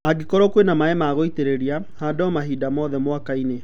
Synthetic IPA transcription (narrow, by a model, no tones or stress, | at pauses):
aɡikɔɾɔkwenamaɛmaːɣoiteɾeɾia | hadɔmaɦidamɔðɛmowakaine